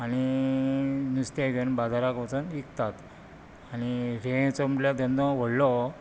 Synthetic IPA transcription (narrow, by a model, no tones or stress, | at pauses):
aɽ̃i | nust̪aɡənbad͡z̪ʱaɾakʋət͡sənikt̪at̪ | aɽ̃iɾẽt͡səmʈljad̪ənd̪ʱə̃ʋəɽlɔ